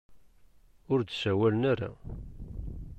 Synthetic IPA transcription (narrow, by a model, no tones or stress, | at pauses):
ʊɾd̪sæwælənaɾa̰